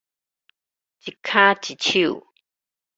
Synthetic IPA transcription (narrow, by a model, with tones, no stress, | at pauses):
t͡ʃi˧kʰã˦t͡ʃi˧t͡ʃi˦ṵ˨